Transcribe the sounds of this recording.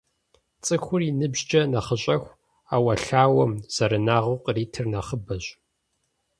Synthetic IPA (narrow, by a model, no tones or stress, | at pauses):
t͡sʼɨxʷʊrinɨbʑd͡ʒɐnɐχəɕʼɐxʷ | aːwɐɬaːwɐmz̥ɐɾɨnaːʁʊqʼriːtʰɨrnɐχəbɐɕ